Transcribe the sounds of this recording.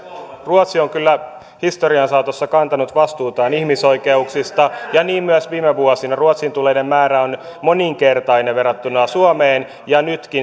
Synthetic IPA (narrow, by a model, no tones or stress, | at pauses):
ruot̪sioŋkylːæ | hist̪oɾiɑnsɑːt̪osːɑkɑnt̪ɑnut̪ʋɑst̪uːt̪ɑːnihmiso̞jke̞uksist̪ɑjɑniːmmyæsʋiːmeʋuosinɑruot̪sint̪ulejdemmæːɾæon | mo̞niŋke̞rt̪ɑjneʋe̞rɑt̪ːunɑsuomeːn | jɑnyt̪k̟i